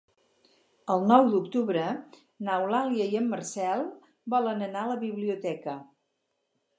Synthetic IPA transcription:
əlˠnɔwd̪ukt̪uβɾə | nawlaljəiəmːərsɛlˠ | bɔlənənaləβiβliut̪ɛkə

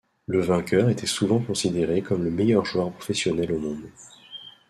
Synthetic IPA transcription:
ləvɛ̃kʲœʁet̪ʰɛsuvɑ̃kɔ̃sid̪eʁekɔmləmɛjœʁʒwaʁpχɔ̥fɛsjɔnɛlomɔ̃d̪

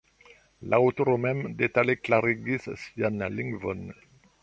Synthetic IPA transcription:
lʔaot̪ɔʁomɛmd̪et̪aleklaʁiɡissjanliŋɡvɔn

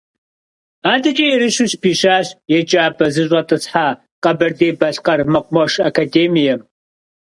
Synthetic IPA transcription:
aːdɐt͡ʃʼijɛɾɨɕuɕpʰiːʃaːɕjɛd͡ʒʼaːpʰʼɐzɨɕ̬ʷʼɐtʼɨsħaː | qʼɐbɐrdeːbɐɬqɐrmɐqʷʼmɐʂɐkʰadeːmijɛm

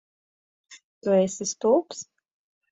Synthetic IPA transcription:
t̪uɛsist̪ulˠps

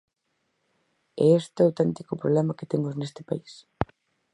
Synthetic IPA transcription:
ɛest̪ɪawt̪ɛnt̪ikʊpɾoβlɛmɐket̪eŋʊznest̪ɪ̥pais

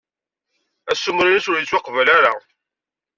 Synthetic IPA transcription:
æsːumɾiɾisʊɾjit͡sːwɑqvəlaɾa

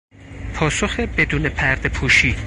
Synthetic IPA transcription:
pʰɒːsoxebe̞d̪uːne̞pʰæɾd̪epʰuːʃiː

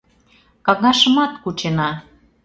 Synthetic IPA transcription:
kɑɣɑʃə̆mɑt̪kut͡ɕenɑ

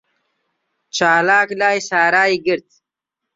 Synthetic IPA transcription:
t͡ʃaːlaːklaːisaːɾaːiɡiɾt̪

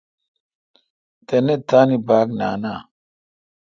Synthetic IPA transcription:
tɛnɛtanibakna̰na

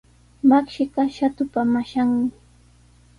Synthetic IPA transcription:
makʃɪɢɑʃat̪ʊpamaʃaŋmɪ

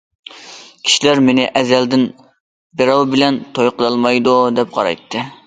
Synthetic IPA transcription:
kʲʰi̥ʃilæɾmenɪʔɛzɛld̪ɪn | beɾɑwbɪlɛnt̪ʰojqʰəlˠɑlˠmɑjd̪ud̪ɛp̚qʰɑ̰ɾɑ̰jt̪ʰːɨ

